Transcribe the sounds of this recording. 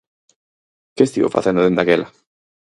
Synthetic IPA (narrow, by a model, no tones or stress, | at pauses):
keːst̪iβo̰fa̰θẽnd̪oðend̪akela